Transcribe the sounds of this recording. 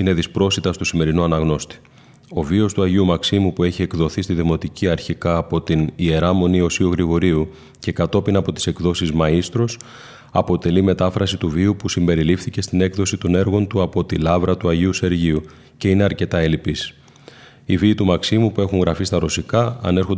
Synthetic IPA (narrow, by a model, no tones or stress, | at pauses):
ine̞ðispɾo̞st̪it̪ɐst̪osime̞ɾinuɐnɐɣno̞st̪i̥ | o̞vio̞st̪uɐʝiumɐksimupue̞çie̞kðo̞θist̪iðimo̞t̪iciɐɾçikɐːpo̞t̪inie̞ɾɐmo̞nio̞siuɣɾiɣo̞ɾiu | ce̞kɐt̪o̞pinɐpo̞t̪i̥se̞kðo̞sizmɐist̪ɾo̞s | ɐpo̞t̪e̞lime̞t̪ɐfɾɐsit̪uviupusimbe̞ɾilifθice̞st̪ine̞kðo̞sit̪o̞ne̞ɾɣo̞nt̪uɐpo̞t̪ilɐvɾɐt̪uɐʝiuse̞ɾʝiu | ce̞ine̞ɐɾce̞t̪ɐe̞lipis | iviːt̪umɐksimupue̞xuŋɣɾɐfist̪ɐɾo̞sikɐɐ̰ne̞ɾxo̞